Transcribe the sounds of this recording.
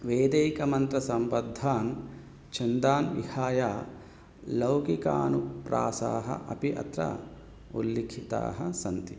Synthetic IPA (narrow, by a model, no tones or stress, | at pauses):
ʋeːd̪ɐjkɐmɐnt̪ɾɐsɐmpɐd̪ʱːaːn | t͡ʃʰɐnd̪aːnʋḭhaːjaː | lɐwkikaːnupɾa̰ːsaːɦɐ̰ʔɐ̰piʔɐ̰t̪ɾɐ̰ | ṵlːikʰit̪a̰ːɦɐsɐnt̪i